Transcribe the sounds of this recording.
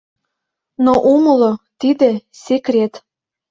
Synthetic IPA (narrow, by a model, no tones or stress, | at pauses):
noʔumɤ̆lot̪id̪ĕsʲekrʲet̪